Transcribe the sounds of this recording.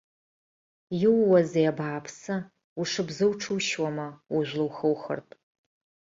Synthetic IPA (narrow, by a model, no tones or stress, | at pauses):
jɪwːɐzejabaːpʰsɐ | uʂɨbzɨwʈ͡ʂʰɨwʃwɔmɐʊʒʷlɨwxɐwxɐ̰rpʰʼ